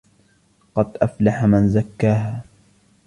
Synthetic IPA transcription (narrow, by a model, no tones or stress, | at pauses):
qɑd̪ʔaflaħamanzakːaːɦaː